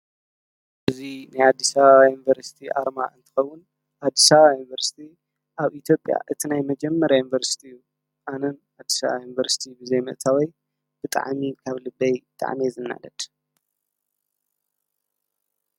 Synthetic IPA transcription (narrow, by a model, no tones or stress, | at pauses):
ʔɨzinajad̪ːisaβaajunivɐɾsi̥t̪ʰiʔa̰ɾmaɨnt̪ʰɨ̥xɐwːʊn | ʔad̪ːisaβajunvɐɾsi̥t̪ʰi | ʔaβʔit̪ʰjo̞pʼja̰ʔɨt̪ʰinajmɐd͡ʒɛmːɐɾajunivɐɾsi̥t̪ʰiɨjːu | ʔanɐnʔad̪ːi̥saβajunvɐɾsi̥t̪ʰibɨzejmɨ̰ʔt̪ʰawoj | b̥ɨt̪ʼa̰ʕmikʰaβlɨbːɐjt̪ʼa̰ʕmizɨnːa̰lɐd̪̥